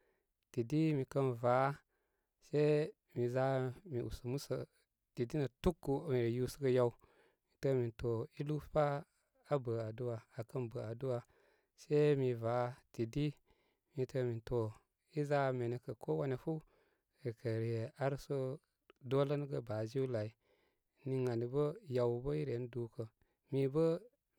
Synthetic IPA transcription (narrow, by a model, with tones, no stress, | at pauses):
ti˨di˦mi˨kə˦nva˨˦ | se˦ | mi˨za˦mi˨ʔu˨sə˨mu˦sə˨ | ti˨di˦nə˨tu˦kːu˨mi˨ɾi˨ju˦sə˦ɡə˦ja˦u˦ | mi˨tə˦mi˨nto˨i˦lu˦fpa˦ | a˨bə˨a˨du˦wa˨a˨kə˦nbə˨a˨du˦wa˨ | se˦mi˧va˨˦ti˨di˦ | mi˧tə˧mi˨nto˨ | i˦za˦˨me˨ne˨kə˨ko˦wa˦ne˨fu˦ | ɾi˨kʰə˨ɾje˨a˦ɾso˦ | do˦lə˦n˦ɡə˦ba˨zi˦wla˨i˨ | ni˧ŋa˨ni˨bə˦ja˨wbə˦i˦ɾe˨˦n˦du˨˦kə˨ | mi˧bə˦